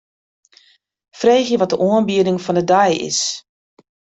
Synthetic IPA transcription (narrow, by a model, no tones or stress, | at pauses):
freːxjəʋɔt̚dəʔuənbiədɪŋfɔndədajɪ̰s